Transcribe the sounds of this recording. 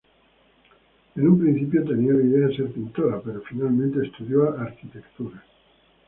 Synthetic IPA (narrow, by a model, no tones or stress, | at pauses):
enumpɾinθip̬jot̪e̞niaunaiðeaðese̞ɾpint̪o̞ɾape̞ɾofinalmẽnt̪eːst̪uðjoaʔaɾkit̪e̞kt̪uɾa